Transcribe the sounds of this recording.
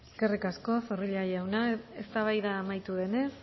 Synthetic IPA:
eske̞rikasko̞so̞riʎajawnae̞st̪aβ̞ajðaːmajt̪uðe̞ne̞s

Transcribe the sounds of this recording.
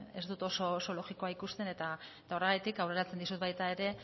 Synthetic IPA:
e̞zd̪ut̪o̞so̞so̞lo̞ɣiko̞aikust̪e̞ne̞t̪aet̪ao̞reɣat̪ikawre̞ɾat͡send̪isut̪bajt̪ae̞ɾe̞

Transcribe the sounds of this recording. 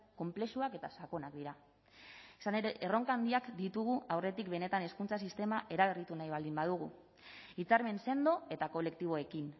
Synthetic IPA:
ko̞mple̞suake̞t̪asako̞nakd̪iɾa | esane̞ɾeʔero̞ŋkand̪iakd̪it̪uɣ̞uawre̞t̪ikbe̞ne̞t̪ane̞skunt͡sas̬ist̪e̞maʔe̞ɾaβ̞e̞rit̪unajβ̞ald̪imbaðuɣu | it͡saɾme̞nse̞nd̪o̞e̞t̪ako̞le̞kt̪iβ̞o̞e̞kin

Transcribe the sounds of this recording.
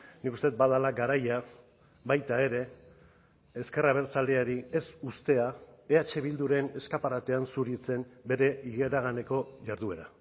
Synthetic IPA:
nikust̪e̞t̪baðalaɡaɾaja | βajt̪ae̞ɾe̞ | eske̞raβ̞e̞ɾt͡sald̪e̞aɾie̞sust̪e̞aeat͡ʃe̞β̞ild̪uɾe̞ne̞skapaɾat̪e̞ansuɾit͡se̞mbe̞ɾe̞ʔiɣe̞ɾaɣ̞ane̞ko̞ʝaɾðue̞ɾa

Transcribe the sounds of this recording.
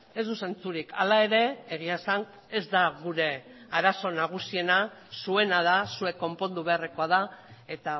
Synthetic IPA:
e̞zðuse̞nt͡suɾikalae̞ɾe̞eɣ̞iasan | e̞zd̪aɣuɾe̞ | aɾaso̞naɣ̞usie̞nasue̞nað̞asue̞kːo̞mpo̞nd̪uβe̞areko̞að̞ae̞t̪a

